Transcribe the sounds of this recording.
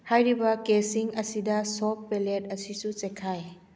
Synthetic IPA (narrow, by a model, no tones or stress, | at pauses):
hajɾibɐkesiŋɐsidɐsopːelet̚ɐsisut͡ʃekʰːaj